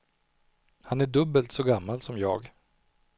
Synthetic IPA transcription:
hanæɖɵbːəlt̪sɔɡamːalsɔmjɑ̰ːɡ

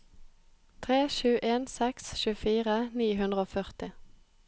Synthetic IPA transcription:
t̪ʰʁeːʃʉːʔeːnsɛksʃʉːfiːʁəniːɦʉnd̪ʁəoːfœʁt̪ɪ

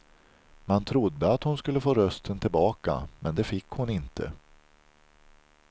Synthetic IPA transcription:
mant̪ʰɾʊd̪ːəat̪hʊnskɵlːəfoːɾœst̪ʰənt̪ʰɪlbɑːka̰mɛnd̪ɛfɪkːhʊnɪnt̪ʰə̰

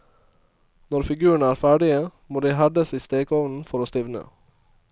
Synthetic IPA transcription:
nɔɾfɪɡʉːəɳ̩æːɾfæːɖɪəmoːd̪iːɦæd̪əsiːst̪eːɡɔʋnn̩fɔɾoːst̪ɪʋnə̰

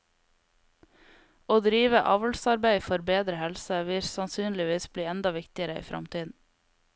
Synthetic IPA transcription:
oːd̪ɾiːʋəʔɑːʋəlsɑɾbæɪfɔɾbeːd̪ɾəhɛlsəʋɪɾsɑnsyːnlɪʋiːsbliːɛnd̪ɑʋɪkt̪ɪəɾəḭːfɾʔɑ̰mt̪ʰiːd̪n̩

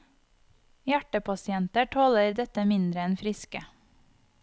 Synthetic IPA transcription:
jæʈəpʰɑsɪɛnt̪əʈʰɔləɾd̪ɛt̪əmɪnd̪ɾəɛnfɾɪskə

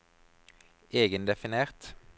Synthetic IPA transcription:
eːɡənd̪ɛfɪneːʁt̪

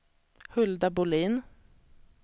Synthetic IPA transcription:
hɵld̪abʊliːn

